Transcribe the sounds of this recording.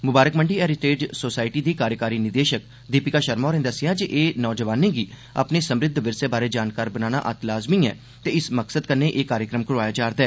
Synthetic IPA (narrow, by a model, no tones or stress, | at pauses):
mʊbaːɾəkməɳɖiːɛːɾɪʈeːɖsoːsaːɪʈiːd̪iːkaːɾjəkaːɾiːnɪd̪eːʃək̚ | d̪iːpɪkaːʃəɾmaɔːɾẽːd̪əsɪjãːd͡ʒeʔeːnɔːd͡ʒəʋaːnẽːɡiː | a̰pneːsəmɾɪd̪ʱːʋɪɾsebaːɾeːd͡ʒaːnkaːɾbənaːna̰ːʔət̪laːzmĩːɛ̰ː | t̪eːɪsməksəd̪̚kəɾneːʔeːkaːɾjəkɾəmkʊɽʋaːjaːd͡ʒaːɾd̪aɛː